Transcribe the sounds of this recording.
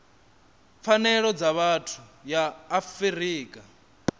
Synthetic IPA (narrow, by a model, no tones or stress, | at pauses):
p̪fʰanɛɺɔd͡zaβatʰujaːfiɾiːkʼa